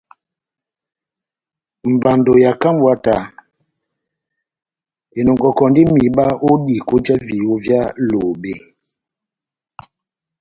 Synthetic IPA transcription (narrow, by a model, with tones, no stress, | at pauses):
m̩˨ba˨ndo˨ja˨ka˦m˦bwa˦ta˨ | e˨nɔ˨ŋɡɔ˨kɔ˨ndi˦mi˨ɓa˦o˦di˨ko˦d͡ʒa˦vi˨o˦vja˦lo˨be˦